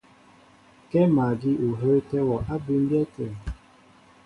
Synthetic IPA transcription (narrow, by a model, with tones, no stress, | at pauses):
kɛ˦ma˨ɡi˦ʔu˨ɦə˦tɛ˦wɔ˨ʔa˦bi˦m̩˦bjɛ˦te˨